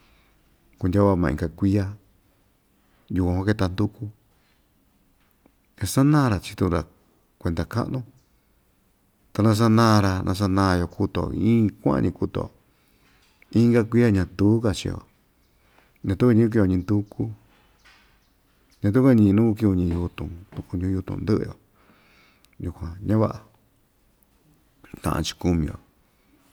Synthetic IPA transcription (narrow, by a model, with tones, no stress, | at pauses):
ku˧ndʲa˦a˧mã̰˧˨ḭ̃˧ɡa˧kʷi˦a˦˧ | ju˧kʷã˧hʷa˦˧ke˧t̪a˧nd̪u˦ku˧ | ja˧sa˦nãː˦˧ɾa˧t͡ʃi̥˧t̪ũ˧ɾa̰˨ | kʷe˧d̪a˨ka̰˦ʔnũ˦ | t̪a˧nã˧s̬a˦nãː˦˧ɾa˧nʔã̰˧s̬a˧nã˧jo˧ku˧t̪o̰˨iĩː˦kʷã̰˦ã̰˧ɲĩ˧ku˧t̪o̰˨ | ĩ˦ŋɡa˦kʷi˦a˧ɲã˧t̪uː˦ka˧t͡ʃḭ˧o̰˨ | ɲã˧t̪u˦ka˧ɲĩ˦k̬i˧jo˧ɲĩ˧nd̪u˧ku˦ | ɲã˧t̪u˦ka˦˧ɲĩ˧nũ˦kk̬i˧u˧ɲĩ˧ju˧t̪ũ˨t̪u˧ku˧ɲũ˧˦ju˧t̪ṵ̃˧nd̪ɨ˦ʔɨ̰˧jo̰˨ | ju˧kʷã˨ɲã˦βa̰˦ʔa˨ | t̪ã̰˧˨ʔã̰˧t͡ʃi̥˧ku˧mĩ˧o̰˨